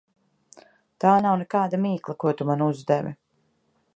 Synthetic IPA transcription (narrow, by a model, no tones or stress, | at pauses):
t̪aːnawnɛkaːd̪amiːklˠɐkuɔt̪umanuzd̪ɛvḭ